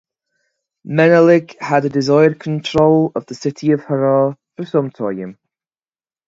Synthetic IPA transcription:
mɛnəlɪɡ̥hədədɪzaɪəd̚kʰə̃ntʰɹ̥oʊlˠəvðəsɪtʰiəv̥həɹɔfəsə̃mtʰɔə̰̃m

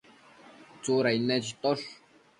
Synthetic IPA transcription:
t͡suɾainet͡ʃit̪oɬ

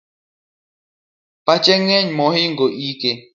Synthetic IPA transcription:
pat͡ʃeŋẽɲmõhiŋɡoʔike

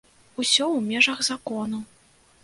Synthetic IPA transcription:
usʲɔwmʲɛʐɐɣzakɔnu

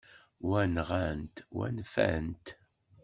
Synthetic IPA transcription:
wænʁænt̪wæ̰nfæ̰nt̪

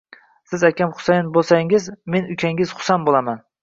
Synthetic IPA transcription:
sɪzakʲamχʊ̥sajnbolˠsaŋɪzme̞nʊkʲʰaŋɪz̥χʊ̥sanbolˠaman

